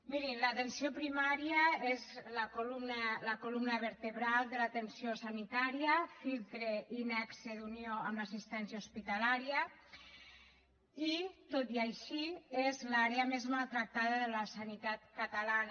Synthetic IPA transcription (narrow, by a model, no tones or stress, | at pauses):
miɾimlat̪ensiopɾimaɾiəezlakolumnaləkolumnəβəɾt̪eβɾalˠd̪əlat̪ensiosanit̪aɾiəfilˠt̪ɾeinɛksed̪unioamasist̪ɛnsjauspit̪alaɾjə | it̪ot̪iajʃiezlaɾeəmezmalˠt̪ɾak̚t̪aðəðələsanit̪at̪kat̪alan